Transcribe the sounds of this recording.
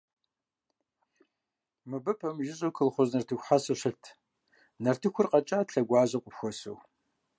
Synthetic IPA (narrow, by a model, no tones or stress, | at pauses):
mɨbɨpʰɐmʒɪʑʼokʰɨlχʷʊznɐrtʰɨxʷħasɨɕəɬtʰ | nɐrtʰɨxʷʊrqɐt͡ʃʼaːtɬɐɡʷɑːzɐqʷʼʊpxʷɔso̰w